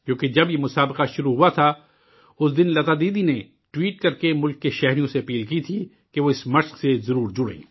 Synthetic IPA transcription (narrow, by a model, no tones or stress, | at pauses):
kjõːked͡ʒɐbjemʊsaːbqaʃʊɾuɦuat̪ʰa | ʊsd̪ɪnlɐt̪aːd̪iːd̪ine | ʈwiːʈ̚kɐɾkemʊlkːeʃɛɦɾijõseɐpiːlkit̪ʰiː | keʋoɪsmɐʃqsezɐɾuːɾd͡ʒʊɽḛ̃ː